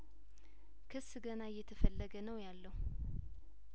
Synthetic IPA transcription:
kʰɨsɡənajːɛt̪ʰəfəlːəɡənəwjalːəhu

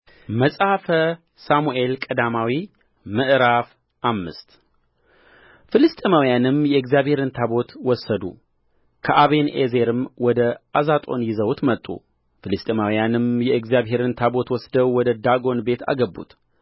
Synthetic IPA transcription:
məsʼafə | samuʔe̞lkʼəd̪amawi | mɨʔɾaf | ʔamːɨ̰st̪ | fɨlɨst̪ʼemawjanɨmjɛɨɡzjaβhe̞ɾɨnt̪ʰabo̞t̪wɔsːəd̪ṵ | kʰəʔaβe̞nḛze̞ɾɨmwɔd̪əʔazat̪ʼo̞̰njɪzəwt̪mət̪ʼːṵ | fɨlɨst̪ʼemawijanɨmjɛɨɡzijaβɦe̞ɾɨnt̪ʰabo̞t̪wɔsd̪əwwɔd̪əd̪aɡo̞nbe̞t̪ʰa̰ɡəbːṵt̪

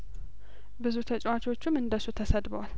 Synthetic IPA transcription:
bɨzut̪ʰət͡ʃʼwat͡ʃo̞t͡ʃːumɨnd̪əsut̪ʰəsəd̪bəwal

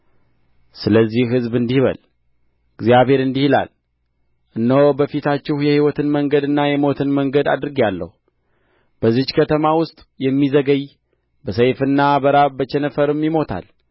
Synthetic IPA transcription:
sɨləzːihɦɨzbɨnd̪ihβə̰l | ɨɡzjaβhe̞ɾɨnd̪ihila̰l | ʔɨnːəwobəfit̪ʰat͡ʃːɪhjɛhiwɔt̪ʰɨnməŋɡəd̪ɨnːajɛmo̞t̪ʰɨnməŋɡəd̪a̰d̪ɾɨɡialːə̰hu | b̥əzɨt͡ʃːkʰət̪ʰəmawʊst̪ʼjɛmːizəɡəj | bəsəjfɨnːabəɾabət͡ʃɛnəfəɾɨmjimo̞t̪ʰa̰l

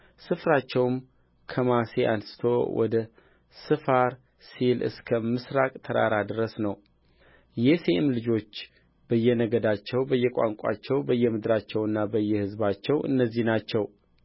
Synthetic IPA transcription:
sɨfɾat͡ʃːɛwm | kʰəmaseʔansɨ̥t̪ʰo̰wɔ̰d̪ə | sɨfaɾ | silʔɨ̰skʰəmɨsɾakʼt̪ʰəɾa̰ɾad̪ɨɾəsnəw | jɛsemlɨd͡ʒo̞t͡ʃː | b̥əjːɛnəɡəd̪at͡ʃːɛwbəjːɛkʼa̰ŋkʷʼa̰t͡ʃːɛwbəjːɛmɨd̪ɾat͡ʃːɛwɨnːabəjːɛhɨzbat͡ʃːɛwʔɨ̰nːəzːihnat͡ʃːɛw

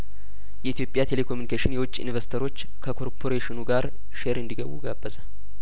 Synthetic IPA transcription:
jɛit̪jo̞pʼːjat̪ʰele̞kʰomjunikeʃɪnjɛwʊt͡ʃʼːɪ̰nvəɾst̪ʰəɾo̞t͡ʃː | kʰəkʰo̞ɾpʰo̞ɾeʃɪnuɡaɾ | ʃeɾɨnd̪iɡəwṵɡabːəzə

